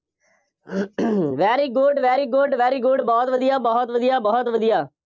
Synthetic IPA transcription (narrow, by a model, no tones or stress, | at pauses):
ʋɛːɾiːɡʊɖʋɛːɾiːɡʊɖʋɛːɾiːɡʊɖbɔːt̪ʋəd̪ijaːbɔːt̪ʋəd̪ijaːbɔːt̪ʋəd̪ijaː